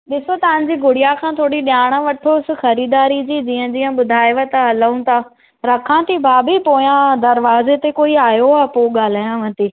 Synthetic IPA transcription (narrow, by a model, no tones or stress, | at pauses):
ɗɪsot̪ɐʋɪ̃ɲ̃̆d͡ʑiːɡʱʊɽijakʰãːt̪ʰoːɽiɗjaːɽ̃ə̆ʋɐʈʰosɪ̆xɐɾiːd̪aːɾid͡ʑiːd͡ʑiːə̃d͡ʑiːə̃ɓʊd̪ʱaːjʋət̪ɦɐləũt̪ʰa | ɾɐkʰãt̪ʰibʱaːbʱipoːjãd̪ɐɾʋaːzet̪ekoːiaːjoaːpoːɠaːl̤aːjãʋɐ̃nt̪iː